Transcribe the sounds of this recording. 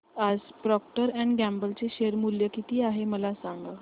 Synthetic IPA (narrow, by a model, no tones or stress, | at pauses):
ad͡zpɾɔkʈəɾɛ̃ɳɡæmbəlt͡seɕeɾmuljəkit̪iːaɦeməlasãŋɡa